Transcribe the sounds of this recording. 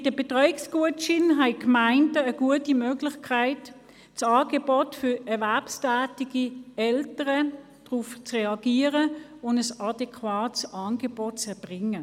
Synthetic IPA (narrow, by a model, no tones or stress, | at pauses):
ɪdəb̥etʁɔʏɪksɡ̥uətt͡ʃɪnɦaɪkmaɪndəːɡ̥uətimøːɡlɪçkʰaɪt | t͡sɑːɡ̥ebɔtfʏɐɛɐvɛɐpstæːtiɡiɛltəʁə | d̥ʁuft͡sʁeɑɡ̥iːəʁəʊndəsɑdɛkʰwaːtsɑːnɡebot̚t͡sɛɐb̥ʁɪŋə